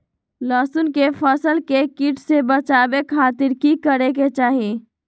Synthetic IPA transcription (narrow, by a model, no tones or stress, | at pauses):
lɔːsunkepʰəsəlkekiʈʰsebət͡ʃaːbekʰaːt̪ɪɾkikəɾek̬et͡ʃaːɦe